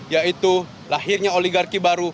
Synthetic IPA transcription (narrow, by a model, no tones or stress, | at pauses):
jait̪u | laɦirɲaoliɡarkibaɾu